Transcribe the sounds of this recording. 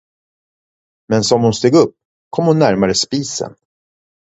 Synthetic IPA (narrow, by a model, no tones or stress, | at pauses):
mɛnsɔmhʊnst̪eːɡɵpː | kʰɔmhʊnːæɾmaɾəspiːsə̰n